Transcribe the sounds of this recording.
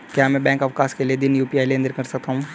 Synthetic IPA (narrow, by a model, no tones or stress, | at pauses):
kjaːmɛ̃ːbɛ̃ːŋkɐʋkaːskelied̪ɪnjuːpiaːɪjleənd̪əɾkɐɾsɐk̚t̪aɦũː